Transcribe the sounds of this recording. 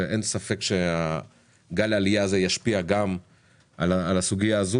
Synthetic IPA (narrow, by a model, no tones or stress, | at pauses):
ʔensafe̞kʃea | ɡalalijaːzejaʃpiaɡam | ʔalaalasuɡijaːzu